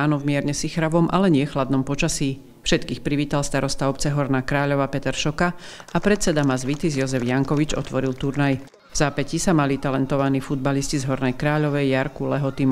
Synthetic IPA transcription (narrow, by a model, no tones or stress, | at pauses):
aːnɔvmɪɛɾɲɛsixɾaʋɔmʔalɛɲɪɛxlad̪nɔmpɔt͡ʃasiː | fʃɛt̪kiːxpɾiʋiːt̪alˠst̪aɾɔst̪aɔpt͡sɛɦɔɾnaːkɾaːʎɔʋaːpɛt̪ɛɾʃɔkaapɾɛt̪t͡sɛd̪amazʋit̪izjɔzɛvjaŋkɔʋid͡ʒɔ̰t̪ʋɔɾilt̪uɾnaj | vzaːpɛcisamalit̪alɛnt̪ɔʋaniːfud̪̚baliscizɦɔɾnɛjkɾaːʎɔʋɛjaɾkulɛɦɔt̪im